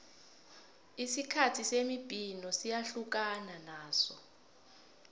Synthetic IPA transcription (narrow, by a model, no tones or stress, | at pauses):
isikʰatʰisemib̥ʱinɔsijaɬuk̬ananaːsɔ